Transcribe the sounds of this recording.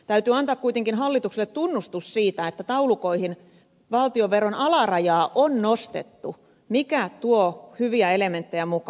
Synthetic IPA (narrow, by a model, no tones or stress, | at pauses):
t̪æyt̪yɑnt̪ɑːkkuit̪eŋkinɦɑlːit̪ukselːet̪t̪unːust̪ussiːt̪æet̪ːæt̪ɑulukoihin | ʋɑlt̪ioʋʋeronɑlɑrɑjɑːʔonnost̪ḛt̪ːu | mikæt̪uohyʋiæelement̪ːejæmuk